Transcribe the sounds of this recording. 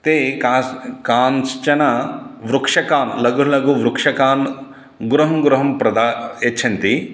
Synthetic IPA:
t̪eːkakaːnst͡ʃɐnɐʋɾukʂɐkaːnlɐɡulɐɡuʋɾukʂɐkaːn | ɡɾuɦɐmɡɾuɦɐmpɾɐd̪aːet͡ʃʰɐnt̪i

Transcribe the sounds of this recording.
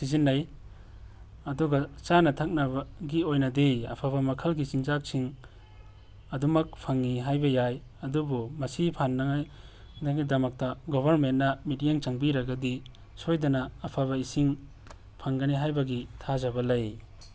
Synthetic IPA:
sizinːɐj | ɐduɡɐt͡ʃanɐtʰɐk̚nɐbɐɡiojnɐdeɐ̰pʰabɐmɐkʰɐlɡit͡ʃinzak̚siŋ | ɐdumɐk̚pʰɐŋːiɦajbɐjaj | ɐdubumɐsipʰanːɐŋaj | naɡidɐmɐk̚tɐɡɔbʱɐɾmentːɐmitjeŋt͡ʃɐŋbiɾɐɡɐdi | sojdɐnɐːpʰaβɐisiŋ | pʰaŋɡɐniɦajbɐɡitʰazɐbɐlɐj

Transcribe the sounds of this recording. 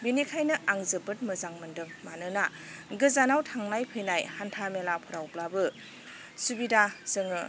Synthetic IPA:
binikʰajnɯʔaŋzɯbɯt̚mɯzaŋmɯndɯŋmanɯna | ɡɯzanawtʰaŋnajpʰɯjnajhantʰamelapʰɔɾawplabɯ | subidazɯŋɯ̰

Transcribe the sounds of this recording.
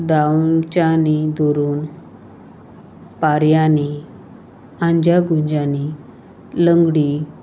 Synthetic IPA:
d̪at͡ɕanid̪oɾuːn | paɾjani | ãɲd͡ʑaɡuɲd͡ʑani | ləŋɡɽi

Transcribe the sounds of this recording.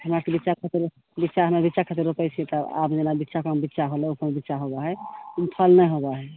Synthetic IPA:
ɦəmɾakebitːʃakʰət̪iɾ | bitːʃaɦəmɾabitːʃakʰət̪iɾopɛt͡ʃʰẽt̪əa̰pd͡ʒenabitːʃakambitːʃaɦolɛupəmbitːʃaɦoɡaɦɛumpʰəlnɛjɦoɡaɦɛ

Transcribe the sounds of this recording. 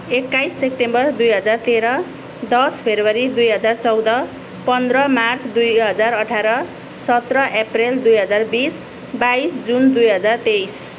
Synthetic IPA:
ekːajsːepʈembʌrd̪ujɦʌd͡zart̪eɾʌ | d̪ʌspʰebrwʌɾid̪ujɦʌd͡zart͡sʌwd̪ʌ | pʌnd̪ɾʌmart͡sd̪ujɦʌd͡zarʌʈʰaɾʌ | sʌt̪rʌʔepreld̪ujɦʌd͡zarbis | bajsd͡zund̪ujɦʌd͡zart̪ejs

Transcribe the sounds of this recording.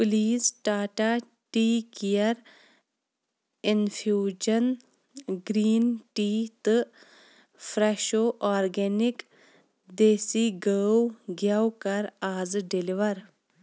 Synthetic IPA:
pʊliːsʈaːʈaː | ʈiːkijɐɾ | ɪnfʰjuːd͡ʒɐn | ɡɾiːnʈiːt̪ɨ | fɾɛʃoːʔaːɾɡeːnɪk | d̪eːsiɡəwɡjawkɐɾaːzɖeliʋɐɾ

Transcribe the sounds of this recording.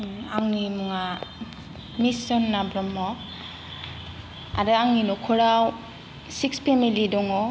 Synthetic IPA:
aŋnimuŋa | misɔnːabɾɔmɔ | a̰ɾɯaŋninɔkʰɔɾaw | sik̚spʰemilidɔŋɔ

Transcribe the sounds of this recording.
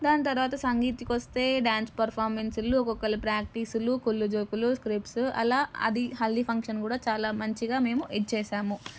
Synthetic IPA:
d̪aːnɐt̪̬ɐɾuʋaːt̪ɐsɐŋɡiːt̪ikʋɐst̪e̞ːɖaːnspɐɾpʰaːɾmensulukɔkːɐlipɾaːk̚ʈisulukulːud͡ʒoːkuluskɾipsɐ̰laːɐ̰d̪iɦɐld̪ipʰɐŋkʂɐnkuːɽaːt͡ʃaːlaːmɐɲt͡ʃiɡaːme̞ːmuʔeʈ̚t͡ʃɛːʃaːmu

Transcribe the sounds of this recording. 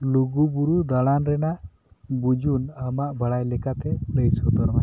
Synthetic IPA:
luɡubuɾud̪aɽanɾɛnaʔ | bud͡ʒunamaʔbʱəɽajlɛkat̪ɛləjsɔt̪ɔɾma

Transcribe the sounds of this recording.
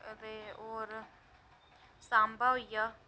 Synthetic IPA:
ɾeːoːɾ | saːmbaːijaː

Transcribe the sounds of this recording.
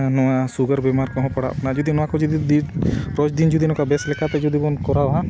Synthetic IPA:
nɔãsuɡəɾbemaɾkɔɦɔ̃pəɽaʔɐ̰pnad͡ʒud̪inɔãkɔd͡ʒud̪id̪ipɾɔt͡ʃd̪ind͡ʒud̪inɔkabɛslɛkap̪ɛd͡ʒud̪ibɔnkɔɾaɦã

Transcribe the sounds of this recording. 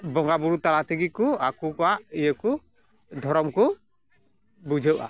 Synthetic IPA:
bɔŋɡabuɾut̪aɾat̪iɡikuakukaʔijəku | d̪ʱɔɾɔmku | bud͡ʒʱəwʔa̰

